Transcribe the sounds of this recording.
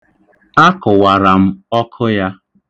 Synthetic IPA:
a˦kʊ˨wa˨ɾa˨m̩˦ɔ˦kʰʊ˦ja˦

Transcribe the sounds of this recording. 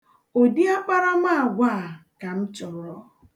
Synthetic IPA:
o˨di˦a˦k͡pa˦ɾa˦ma˦a˨ɡʷa˦˨a˨ka˨m̩˦t͡ʃɔ˨ɾɔ˦

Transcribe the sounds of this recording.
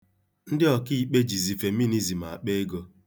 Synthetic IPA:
n̩˦dɪ˦ɔ˨ki˦i˨k͡pe˦d͡ʒi˨zi˨fe˨mi˦ni˦zi˨m̩˨a̰˨k͡pe˦ɡo˦

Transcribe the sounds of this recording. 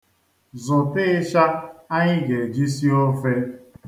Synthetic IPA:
zʊ˨tɪ˦ʃa˦a˦ɲɪ˦ɡe˨d͡ʒi˦si˦o˦fe˦

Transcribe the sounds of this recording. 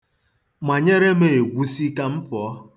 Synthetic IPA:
ma˨ɲe˦ɾe˦me˨e˨ɡʷu˦si˦ka˦m̩˦pɔ˨˦

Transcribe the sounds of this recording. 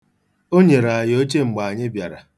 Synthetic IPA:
o˦ɲe˨ɾa˨jo˦t͡ʃe˦ŋ͡m̩˨ɡ͡ba˨ɲɪ˦bja˨ɾa̰˨

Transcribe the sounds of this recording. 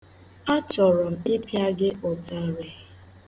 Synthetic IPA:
a˦t͡ʃɔ˨ɾɔ˨m̩˨ɪ˦pi˦a˦ɡɪ˦ʔɔ˨ta˦ɾe˨

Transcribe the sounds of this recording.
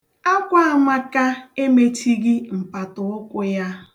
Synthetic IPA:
a˦kʷa˦a˨ma˦ka˦e˦me˦ti˦ɡɪ˦m̩˨pa˨tʊ˨ʊ˦kʷʊ˦ja˦

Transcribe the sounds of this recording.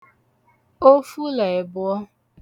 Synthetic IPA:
o˦fu˦la˨ɪ˨bʊ˦ɔ˦

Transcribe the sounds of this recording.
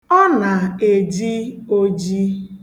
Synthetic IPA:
ɔ˦na˨e˨d͡ʒi˦o˦d͡ʒi˦

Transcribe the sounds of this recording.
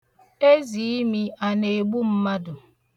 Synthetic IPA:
e˦zi˨i˦mi˦a˨ne˨ɡ͡bu˦m̩˦ma˦dʊ˨

